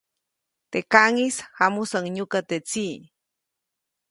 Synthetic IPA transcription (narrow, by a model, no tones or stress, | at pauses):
t̪ekaŋisxamusaŋɲʊkat̪et͡siː